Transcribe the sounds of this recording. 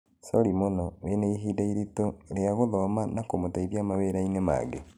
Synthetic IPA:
soɾimonɔweneiɦiːdaiɾitoɾeaɣoðɔmanakomotaiβjamaweɾainema̰ːɡe

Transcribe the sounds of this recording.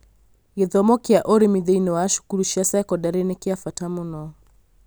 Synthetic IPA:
jɛðɔmɔkiaʔɔɾimiðɛjnɔwaːʃu̥kuɾuʃasaɛkɔdaɾɛnɛkiafatamunɔ

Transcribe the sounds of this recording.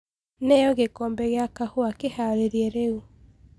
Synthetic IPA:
nɛjɔɣekɔmbɛɣeakahoakehaɾeɾiɛɾeu

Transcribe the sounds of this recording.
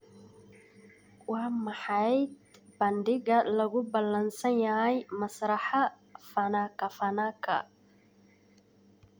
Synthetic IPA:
wɑːmɐħɑjd̪bɐndɪɣɐlɐɣʊbɐlɐnsɐnjɐɦɛjmɐsɾɐħa | fɐnakɐfɐnakʰɐ̰

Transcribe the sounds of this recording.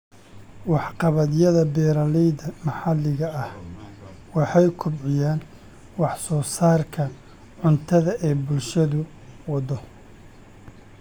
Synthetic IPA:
wɑħqɑβɐðjɐðɐbɛːɾɐlɛðɐmɑħɑlːɪɣɐɐh | wɑħɑjkʰʊbʕɪjaːn | wɑħsɔːsaːrkʰɐ | ʕʊnt̪ʰɐðɐʔɛjbʊlʃɐðʊ | wɑd̪ɔ

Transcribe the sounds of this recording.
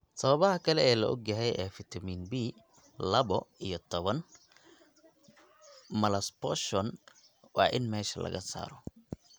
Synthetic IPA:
sɐβɐβɐɦɐkʰɐlɛɛːlɐʔɔ̰ɡjɐɦɛjʔɛːfɪt̪ʰɐmiːnbiː | lɐβɔijɔt̪ʰɔβɐn | mɐlɐspɔʃɔn | wɑ̰ːʔɪnmɛːʃɐlɐ̰ɣɐsa̰ːɾɔ

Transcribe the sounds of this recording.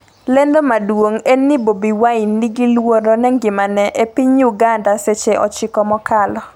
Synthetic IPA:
lendomadwoŋenːibobiwainːiɡilwoɾonɛŋɡɪmanɛʔepiɲuɡandaset͡ʃeʔɔ̰t͡ʃɪkɔmɔkalɔ

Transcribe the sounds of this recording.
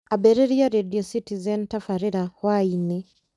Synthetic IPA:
abɛɾɛɾiaɾediɔsitizɛntafaɾiɾawainɛ

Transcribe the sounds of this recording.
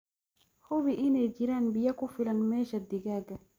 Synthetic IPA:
hubiʔined͡ʒiɾanbijakufilanmeːʃad̪iɡaɡa

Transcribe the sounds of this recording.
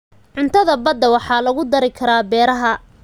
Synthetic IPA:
ʕʊnt̪ʰɐðɐbɐd̪ɐwɑħɑːlɐɣʊd̪ɐɾɪkʰɐɾaːbɛːɾɐɦɐ

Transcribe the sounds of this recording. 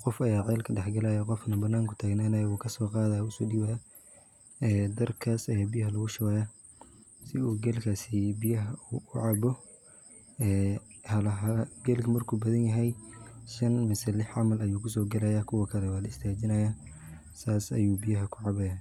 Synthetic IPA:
qɔfɐjaːʕɛːlkʰɐɖɛħɡɐlajɐqɔfnɐbɐnːaːŋkʰʊ̥t̪ʰaːɡnaːnɐjɐwuːkʰɐsɔːqɑːðaːjʊsɔːɖiwa | ɛːd̪ɐrkʰaːsɐjaːbijɐɦɐlɐɣʊʃɐwaːja | sɪuːɡɛlkʰaːsibɪjɐɦɐuʊʕɑβɔ | ɛːhɐlɐɦɐɡɛːlkʰɐmɐrkʰuːbɐðɐnjɐɦɛjʃɐnmɪsɛlɪħʕɑmɐlɐjuːkʰʊs̬ɔːɡɐlɛjaːkʰʊwɐkʰɐlɛwaːlɐɪst̪ʰaːt͡ʃɪnɐjaː | saːsɐ̰juːbɪjɐɦɐkʰʊʕɑβɛjaː

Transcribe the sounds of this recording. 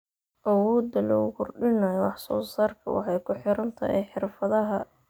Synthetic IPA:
ʔɐwɔːd̪ɐlɔ̰ːɣʊkʰʊrɖɪnɐwɑħsɔ̰ːsaːrkʰɐwɑ̰ħɑjkʰʊħɪɾɐnt̪ʰɐ̰hɛ̰jħɪrfɐðɐɦɐ

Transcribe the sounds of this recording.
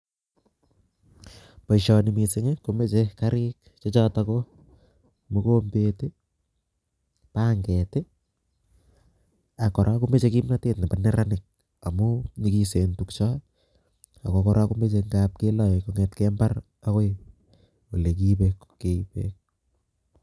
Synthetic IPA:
pɔʃɔnimiseŋekomet͡ʃekaɾɪk̚ | t͡ʃɔt͡ʃɔtako | mukombete | paːŋɡɛte | akːɔɾʔakumet͡ʃekimnatetnapanɛɾanɪk̚ | amunikisentukt͡ʃɔ | akokɔɾʔakumet͡ʃeŋɡap̚kelɔjkoŋɛtkɛmbar | akoj | olek̬ipekkeipḛk̚

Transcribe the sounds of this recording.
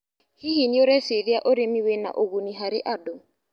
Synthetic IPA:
hiɦinioɾɛsɪɾiaʔoɾemiwena̰ʔoɣuniɦaɾɪ̰ʔado

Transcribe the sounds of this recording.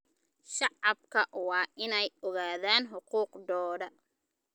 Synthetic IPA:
ʃɑʕɑbkʰɐʔwɑːʔɪnɛjɔɣaːðaːnɦʊquːqd̪ɔːɽɐ

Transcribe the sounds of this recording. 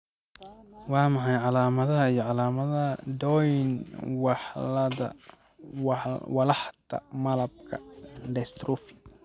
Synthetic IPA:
wɑːmɑħɑjʕɑlaːmɐðɐɦɐijɞʕɑlaːmɐðɐd̪ɔjnwɑħlɐɐ̰ | wwɐlɑħt̪ʰɐ̰mɐlɐb̚kʰɐ̰ɖɛst̪ɾufi̥

